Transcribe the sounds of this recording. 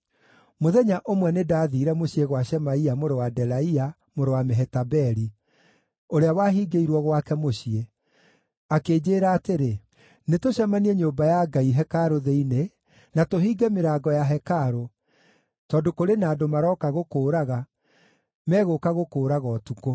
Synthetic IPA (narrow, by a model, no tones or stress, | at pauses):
moðɛɲaʔomwɛnedaːðiːɾɛmoɕieɣwaɕɛmaiamoɾowadɛlaia | moɾowameɦɛtabɛɾi | oɾeawaːɦiːɡeiɾwɔɣwakɛmoɕie | akeːd͡ʑeːɾaːteɾe | netoɕamaniɛɲoːmbajaɡaiɦɛkaɾoðeine | natoɦiːɡɛmeɾaːɡɔjaɦɛkaɾo | tɔːdokoɾenaːdomaɾɔkaɣokoːɾaɣa | mɛːɣokaɣokoːɾaɣɔtuko